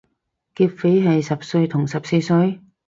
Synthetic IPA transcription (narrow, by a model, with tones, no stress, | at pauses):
kiː˧p̚fe˨˥jɦɐ˨jsɐ˨p̚sɵ˧ɥt̪ʰʊ˨˩ŋsɐ˨p̚se˧jsɵ˧ɥ